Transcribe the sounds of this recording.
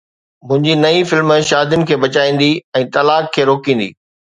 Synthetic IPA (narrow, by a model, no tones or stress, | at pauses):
mʊ̃ɦɪ̃ɲd͡ʑinɐĩfɪlmʃaːd̪jʊnɪ̆kʰeːbɐt͡ɕaːĩːn̆d̪iɛ̃ːt̪ɐlaːkʰːeːɾoːkĩːn̆d̪ḭː